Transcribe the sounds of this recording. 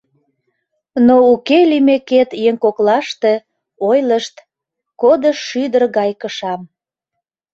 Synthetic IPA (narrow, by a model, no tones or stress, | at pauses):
noukelimeket̪jeŋkoklɑʃt̪e̽ | ojləʃt̪ | kod̪əʃːyd̪ərɣɑjkəʃɑm